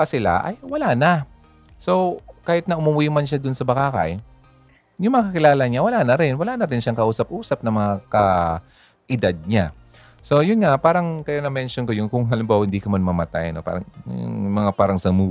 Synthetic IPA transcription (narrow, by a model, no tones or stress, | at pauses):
ɐsɪla̰ʔɐ̰jwɐlanɐ | so̞kaːhɪt̪̚nɐʔʊmuwimɐnʃad̪ʊnsɐbɐkaːkɐ̰j | jʊŋmɐŋakɐkɪlaːlɐɲawɐlaːnɐɾɪnwɐlaːnɐɾɪnʃaŋkɐʔuːsɐp̚ʔuːsɐp̚nɐŋmɐŋakɐ | ʔɪd̪ad̪̚ɲa | so̞jʊnŋapaːɾɐŋkɐjonɐmɛnʃonkojʊŋkʊŋɦɐlɪmbawhɪnd̪iːkɐmɐnmɐmɐt̪a̰jɐnopa̰ːɾɐŋ̰ŋmɐŋapaːɾɐŋsɐmu